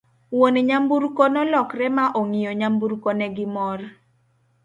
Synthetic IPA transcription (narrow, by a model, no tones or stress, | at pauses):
woneɲambuɾkɔnɔlɔkrɛmaʔoŋijoɲambuɾkɔnɛɡɪmɔr